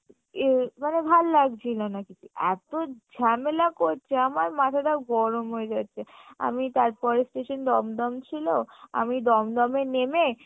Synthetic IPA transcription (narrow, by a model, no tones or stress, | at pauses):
emanebʱalːaɡt͡ɕʰilonakit͡ɕʰuʔɛ̰t̪od͡ʑʱɛmelakoɾt͡ɕʰeamaɾmat̪ʰad̪aɡɔɾomɦoed͡ʑatːɕʰea̰mit̪aɾpɔɾesʈeʃond̪ɔmd̪ɔmt͡ɕʰiloa̰mid̪ɔmd̪ɔmeneme